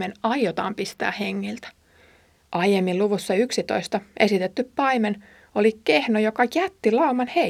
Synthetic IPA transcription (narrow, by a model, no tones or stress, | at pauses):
enɑjjot̪ɑ̰ːmpist̪æ̰ːheŋːilt̪æ̥ | ʔɑjemːiluʋusːɑyksit̪o̞ist̪ɑʔe̞sit̪et̪ːyppɑimen | olikehnojokɑjæt̪ːilɑumɑnhe